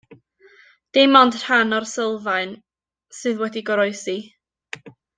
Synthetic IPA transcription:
d̥emɔndr̥anɔrsəlˠvaɨn | sɨðwɛdiɡɔɾɔɨsi

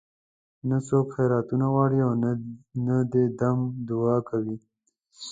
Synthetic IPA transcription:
nasokxeɾɑt̪unaɣwɑɽiawnad̪ed̪amd̪ʊɑkawi

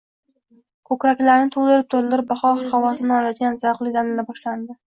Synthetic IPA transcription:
kʰɵkʲɾakʲlaɾnɪt̪ʰold̪ɪɾɪp̚t̪ʰold̪ɪɾɪp̚baχɒχawɒsɪnɪlad̪ɪɡʲanzaɾqlˠɪd̪anɪlabɒʃland̪ɪ

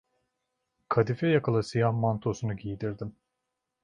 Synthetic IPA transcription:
kʰad̪ifɛjakalˠasijahmant̪ʰo̞sunuɟijd̪iɾd̪im

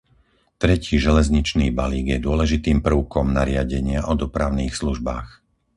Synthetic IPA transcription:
t̪ɾɛciːʒɛlɛzɲit͡ʃniːbaliːɡjɛd̪ʊɔlɛʒit̪iːmpɾ̩ʊkɔmnaɾɪaɟɛɲɪaʔɔd̪ɔpɾaʊniːxsluʒbaːx

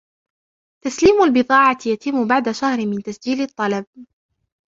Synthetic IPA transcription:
t̪asliːmʊlbɨðˤɑːʕɑjat̪ɪmːʊbaʕd̪aʃahɾɪmɪnt̪asd͡ʒiːlɪt̪ˤːɑlɑb̚

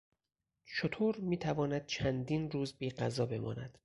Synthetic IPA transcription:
t͡ʃʰot̪ʰoːɾmiːt̪ʰævɒːnæd̪̥̚t͡ʃʰænd̪iːnɾuːzbiːɢæzɒːbe̞mɒ̰ːnæ̰d̪̥

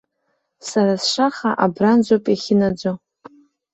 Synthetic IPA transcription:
saɾasʂaχaʔabrand͡ʒʷopʼeχʲɪnad͡ʒʷo

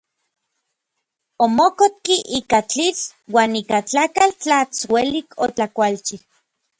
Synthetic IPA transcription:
omokot̪̚kiʔikat͡ɬit͡swaːnikat͡ɬakalt͡ɬat͡swelikʰot͡ɬakʷalt͡ʃi

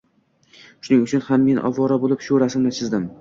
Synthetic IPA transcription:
ʃʊnɪŋʊt͡ʃʰʊnhamːe̞nʔɒ̰vːɒɾabolɪpʃʊɾasɪmnɪt͡ʃʰɪzd̪ɪm

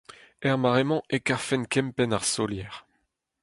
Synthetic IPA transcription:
ɛʁmaʁemɑ̃ʔekaʁfɛnkɛmpɛnaʁsɔljɛːʁ

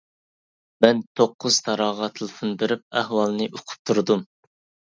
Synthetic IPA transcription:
mɛnt̪ʰoqːʊz̥t̪ʰɑɾɑːʁɑt̪ʰɨlˠfund̪ɨɾyp̚æhwɑlˠnɨʔoqʰʊ̥p̚t̪ʰuɾd̪um

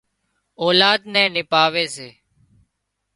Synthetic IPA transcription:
ɔːlaːd̪nɛ̃ːnɪpaːʋeːseː

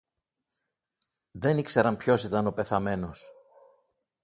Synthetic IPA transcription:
ðe̞nikse̞ɾɐmpço̞sit̪ɐno̞pe̞θɐme̞no̞s

